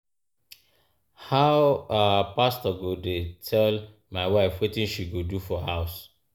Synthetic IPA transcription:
haʊapastɔɡodetʰɛl | maɪwaɪfwetĩnʃiɡodufɔhaʊs

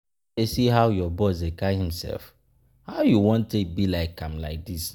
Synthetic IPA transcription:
esiɦaʊjɔbɔs̬ekahĩmsɛ̰lf | haʊjuwɔ̃ntːek̚bilaɪkːãmlaɪk̚dis

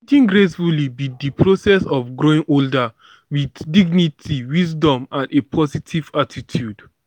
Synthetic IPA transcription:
d͡ʒĩŋɡɹesfulibidipʰɹosɛsɔfɡɹoĩŋʔolda | widdiɡnitʰiwisdɔ̃mãndepʰɔzitʰivatʰitʰjud̥

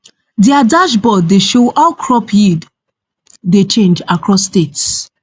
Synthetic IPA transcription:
diadaʃbɔdːeʃohaʊkʰɹɔpʰjid | det͡ʃẽnd͡ʒakʰɹɔsːtets

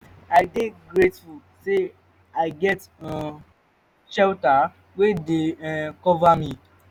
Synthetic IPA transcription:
aɪdeɡɾetful | se | aɪɡɛt | ʃɛlta | wedekɔvami

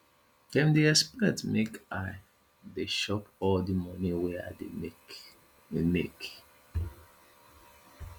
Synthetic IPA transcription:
ɛ̃mdeɛspɹɛ̃tmekaɪ | deʃɔpɔldimɔ̃niwɛa̰dḛ | mḛk

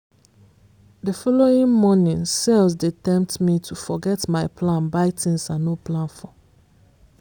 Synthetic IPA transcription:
dəfɔloĩŋmɔnĩŋselzdetɛ̃mp̚tmitʰufɔɡɛtmaɪpʰlãnbaɪtʰĩnsãnnːoplãnfɔ

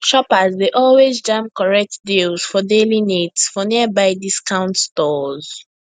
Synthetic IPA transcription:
ʃɹɔpəzdeʔɔlwezd͡ʒãmkɔɹɛk̚tdilz̥fɔdelinetsfɔniəbaɪdiskãʊ̃ntstɔz̥

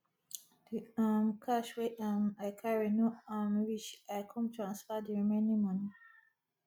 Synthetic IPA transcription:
d̥iamkʰaʃweʔamakʰaɹinoamwit͡ʃajkʰɔ̃mtʰɹãnsfadiimɛnĩmɔ̃ni

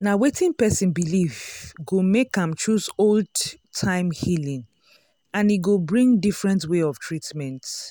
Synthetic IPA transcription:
nawetĩnpɛsĩnbilivɡomekãmt͡ʃɹusoldtʰãɪ̃mhilĩŋ | ãniɡobɹĩŋdifɹɛ̃ntweɔv̥tʰɹitmɛ̃nt

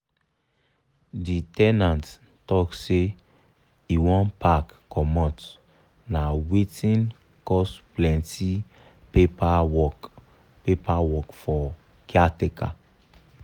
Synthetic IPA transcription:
ditɛnãnt | tɔkse | iwɔ̃npakː | ɔmɔ̃t | nawetĩn | kɔsplɛ̃nti | pepaɔ | pepawɔkfɔ | kiateka̰

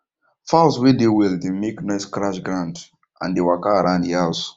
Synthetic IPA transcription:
falswedewildemeknaɪskɹaʃɡɾãnd | ʔã̰ndewakaːɾãʊ̃ndials

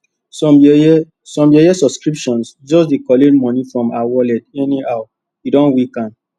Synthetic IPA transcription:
sɔ | sɔ̃mɛɛsɔbskɹipʃɔ̃nsd͡ʒɔsdekɔledmɔ̃nifɹɔ̃mawɔlɛtɛnihaʊ | idɔ̃nwikãn

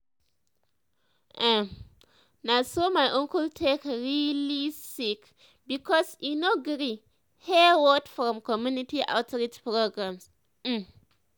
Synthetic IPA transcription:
ʔa | nasomajʔõŋkultʰekɹilisik | bikɔsinoɡɾi | hɛwɔtfɾɔ̃mkɔmjunitiʔa̰ʊtɾid͡ʒpɾoɡɹãms̩

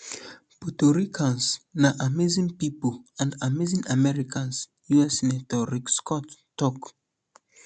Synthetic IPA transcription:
putoɹikʰãnsnaʔamezĩŋpipulãndamezĩŋamɛɹikʰãns | juɛsnɛtɔɹikskʰɔtː | ɔk

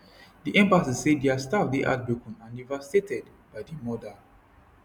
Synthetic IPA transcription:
diʔɛ̃mpasizseddeastafdiʔa̰t̚bɹukɔ̃nãndivastetɛd | b̥ajdimɔda

